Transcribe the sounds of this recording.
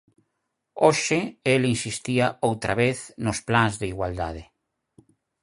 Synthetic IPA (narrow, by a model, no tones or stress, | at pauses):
oʃɪelinsist̪iaowt̪ɾaβeθnosplaŋzðeiɣwald̪a̰ð̞e